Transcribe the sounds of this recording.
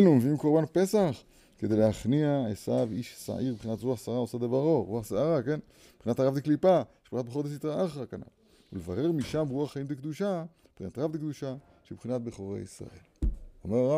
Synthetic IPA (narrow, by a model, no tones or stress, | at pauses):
numvimkoʁbanpe̞saχ | ked̪ejlehaχniaesaviʃsa̰ʔiʁbeχinat̪ʁuaχsaaʁaosad̪ebaʁo̞ʁuaχsaaʁake̞n | b̥χinat̪aʁavd̪eklipaʃb̥χinatbeχod̪es̬it̪ʁaaχʁakana̰l | ṵlevaʁe̞ʁmiʃambuaχːaimd̪ekd̪uʃa | b̥χinat̪aʁavd̪ekd̪uʃa | ʃebχinat̪̚beχoʁḛjisʁa̰ʔe̞̰lo̰meʁaʁa